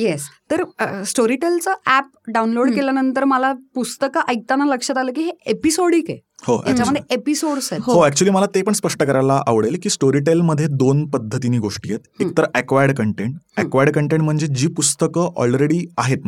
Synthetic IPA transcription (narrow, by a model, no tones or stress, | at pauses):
jest̪əɾəsʈoɾiʈelt͡səʔæp̚ | ɖaunloɽkeljanənt̪əɾməlapust̪əkəʔəjt̪anːaləkʂət̪aləːk̬iːɦeepisoɽiːkehot̪a̰t͡ɕaməd̪ʱjeepisoɽset̪ɦɦoæk̚t͡ɕuəliːməlat̪epəɳspəʂʈəkəɾalaʔaʋɽelkiːsʈoɾiʈelməd̪ʱːjed̪onpəd̪ʱːət̪iniːɡoʂʈijet̪ek̚t̪əɾəækʋajəɽkəɳʈeɳʈækʋajəɖkəɳʈeɳʈm̤əɳd͡zed͡ʑiːpust̪əkəʔɔ̰lɾeɽiːaɦet̪̚